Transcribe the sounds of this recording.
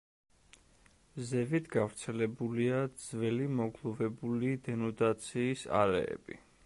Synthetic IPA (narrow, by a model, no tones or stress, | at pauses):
zɛvit̪ʰɡavɾt̪sʰɛlɛbuliad̪zvɛlimɔɡlˠɔvɛbulid̪ɛnɔd̪at̪sʰiːsa̰ɾɛ̰ɛ̰b̥ḭ